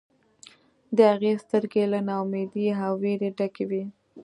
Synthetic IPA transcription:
d̪əhaɣest̪əɾɡelanawmed̪iɦaweɾeɖakewi

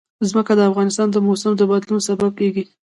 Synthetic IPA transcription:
zməkad̪əafɣɑnɪst̪ɑnd̪əmosamd̪əbad̪lunosabab̚keɡi

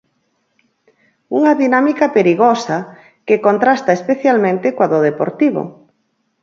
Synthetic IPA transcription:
uŋaðinamikapeɾiɣosa | kekont̪ɾast̪aespeθjalmẽnt̪ɪkwaðoðepo̰ɾt̪iβ̞o̰

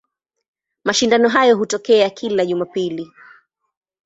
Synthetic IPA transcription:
maʃindanɔɦajɔɦutɔkɛakʰilaʄumapili

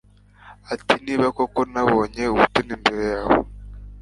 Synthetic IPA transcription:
atiniːβakokonaβoːɲeuβutunimbeɾejaːβo̰

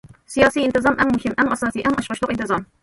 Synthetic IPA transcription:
sɪjaːsiːʔɪnt̪ɪzˤɑmʔamːʊhɪmːʔamʔɑsˤɑːsiːʔamʔɑʃʁɑʃt̪ʊʔɪnt̪ɪzˤɑm

